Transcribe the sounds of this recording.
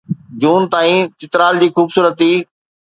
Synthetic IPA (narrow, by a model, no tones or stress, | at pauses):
d͡ʑuːnt̪aːĩt͡ɕɪt̪ɾaːld͡ʑiːxuːbsuːɾət̪ːiː